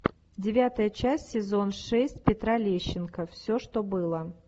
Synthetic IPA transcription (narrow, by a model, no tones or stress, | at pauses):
dʲɪvʲat̪əjət͡ɕæsʲsːʲɪzo̞nʂɛsʲtʲpʲɪt̪ɾalʲeɕːɪnkəfsʲoʂt̪o̞bɨlˠə